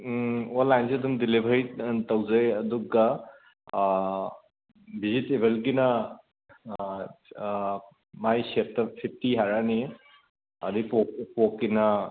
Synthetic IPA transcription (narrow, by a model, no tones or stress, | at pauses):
ɔlajnseduŋd̪ilebʱajtawzajɐduk̚ɡa | bizitebʱelɡ̬ina | majsetp̚pʰip̚ʰtiɦaɾani | ad̪ipɔkpokːina